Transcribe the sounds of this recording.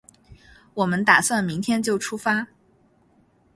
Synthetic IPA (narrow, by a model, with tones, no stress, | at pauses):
wɔ˨˩mə˦nt̪a˨˩swa˥˩nmi˧˥ŋt̪ʰjɛ˥nt͡ɕjo˥˩ʊʈ͡ʂʰu˥fa˥